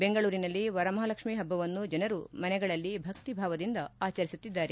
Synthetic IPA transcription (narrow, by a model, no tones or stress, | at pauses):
be̞ŋɡɐɭuːɾinɐlːiʋɐɾɐmɐɦɐlɐkʂmiːɦɐbːɐʋɐnːud͡ʒɐnɐɾumɐnɛɡɐɭɐlːibʱɐkt̪ibʱaːʋɐd̪ind̪ɐaːt͡ʃɐɾisut̪ːid̪ːaːɾe